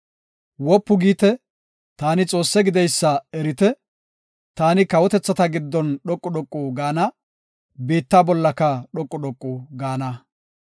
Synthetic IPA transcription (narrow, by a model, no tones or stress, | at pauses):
wɔpːʊɡiːt̪ɛ | t̪aːnɪt͡sʼo̞ːsːɛɡɪd̪ɛjsːɐɛɾɪt̪ɛ | t̪aːnɪkɐwɔt̪ɛt͡sːɐt̪ɐɡɪd̪ːɔnɗɔkʼːʊɗɔkʼːʊɡaːnɐ | beːt̪ːaːbɔlːɐkːɐɗɔkʼːʊɗɔkʼːʊɡaːnɐ